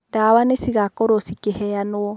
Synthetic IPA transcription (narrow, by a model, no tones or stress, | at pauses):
daːwanesiɣakɔɾosikehɛjanoɔ